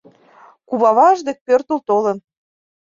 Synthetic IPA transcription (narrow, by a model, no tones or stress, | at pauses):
kuβɑβɑʒd̪ek̚pørt̪ult̪olə̆n